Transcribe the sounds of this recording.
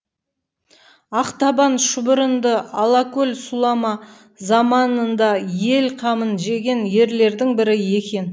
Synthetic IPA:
ɑqt̪ɑbɑnʃʊbəɾənd̪əɑlˠɑkɵlʲsulˠɑmɑ | zɑmɑnənd̪ɑje̞lqʰɑmənʒe̞ɡʲe̞nje̞ɾle̞ɾd̪ɪŋbɪɾɪje̞kʲe̞n

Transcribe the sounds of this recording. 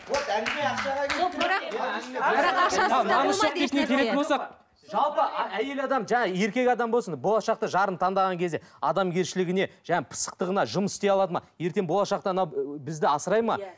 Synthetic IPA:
woæeʃɑʁɑɾɑ | ɾɑɑɑɑɑnəset̪ek̪ɪnekʲʰele̞t̪ɪnbolˠsɑq | ʒɑlˠpəæje̞lɑd̪ɑmʒæŋɑje̞ɾkʲe̞kʲɑd̪ɑmbosənbo̞lˠɑʃɑq̚t̪əʒɑɾənt̪ʰɑnd̪ɑʁɑŋkʲe̞zd̪eɑd̪ɑmɡʲe̞ɾʃɪlɪɡʲɪne̞ʒæŋɑpʰə̥sə̥q̚t̪əʁənɑʒʊməsɪ̥st̪ejɑlˠɑd̪əmɑ̰je̞ɾt̪e̞ŋbo̞lˠɑʃɑqt̪ənɑwbɪzd̪ɪɑsəɾɑjmɑ̰

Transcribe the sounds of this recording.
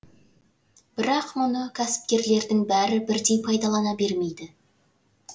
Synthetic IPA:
b̥ɪɾɑqmʊnəkʲʰæsɪ̥p̚kʲe̞ɾle̞ɾd̪ɪŋbæɾɪbɪɾd̪e̞jpʰɑjd̪ɑlˠɑnɑbe̞ɾme̞jd̪ɪ

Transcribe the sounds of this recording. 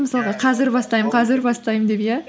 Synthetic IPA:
məsɑlˠʁɑqʰɑzɪɾbɑst̪ɑjəqʰɑzɪɾbɑst̪ɑjmənd̪epjæ

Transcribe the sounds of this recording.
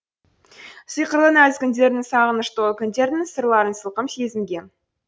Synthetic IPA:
səjqəɾlˠənæzkʲɪnd̪ʲe̞ɾɪnɪŋsɑʁənəʃt̪olkʲʰʏnd̪e̞ɾɪdnɪŋsəɾlˠɑɾənsəlˠqəmsezɪŋɡʲe̞n

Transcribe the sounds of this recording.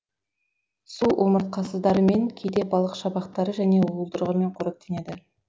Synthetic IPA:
suwʔoməɾt̪̚qʰɑsəzd̪ɑɾəme̞ŋkʲʰejd̪e̞bɑlˠəqʃɑbɑqt̪ɑɾəʒæne̞wolˠd̪əɾəʁəme̞ɴqʰoɾək̚t̪ʰene̞d̪ɪ

